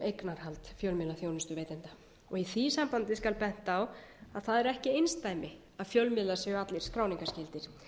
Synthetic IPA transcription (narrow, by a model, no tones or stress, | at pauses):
ejknaɾ̥halt̪fjœlmɪlaθjownɪst̪ʏveːjt̪ɛnt̪ḁ | ɔɣiθisampant̪ɪskalpɛn̥t̪aːwaðθaðɛɾɛhcɪejnst̪ajmɪ | aðfjœlmɪðlasɛɣʏat̪lɪɾ̥skɾaːwniŋkascɪlt̪ɪɾ̥